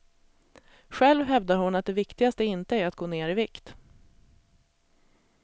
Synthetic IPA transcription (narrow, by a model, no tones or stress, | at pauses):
ɧɛlvɦɛvd̪aɾhʊnat̪̚d̪ɛvɪkt̪ɪɡast̪əɪnt̪əæɾat̪̚ɡoːneːɾɪvɪkt̪